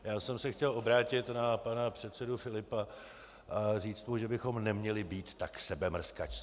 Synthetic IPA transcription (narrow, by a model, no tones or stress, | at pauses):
jaːsɛmsɛxcɛlo̞bɾaːcɪt̪napanapr̝̥ɛt̪sɛdʊfɪlɪpa | ʔariːt͡st̪muʒɛbɪxo̞mnɛmɲɛlɪbiːt̪ːaksɛbɛmr̩ska̰t͡ʃ